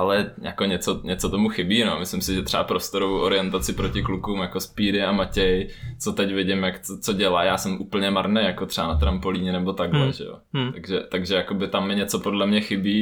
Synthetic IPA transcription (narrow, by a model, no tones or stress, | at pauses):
ʔalɛjʔa̰ko̞ɲɛt͡soɲɛtt͡sot̪omuxɪbiːnomɪslɪmsɪʒɛt̪r̥ɛa̰pɾo̞st̪oɾovowʔoɾɪjɛnt̪at͡sɪpɾocɪklukuːmjakospiːɾɪamacɛjt͡sot̪ɛcvɪɟɪmjakt͡sot͡soɟɛlaːjaːsɛmʔuːpl̩ɲɛmaɾnejjakot̪r̥ɛanat̪ɾampoliːɲɛnɛbo̞t̪aɡlɛʒɛ̰jo̰t̪aɡʒɛt̪aɡʒɛjako̞bɪt̪amːɪɲɛt͡sopodlɛmɲɛxɪbiː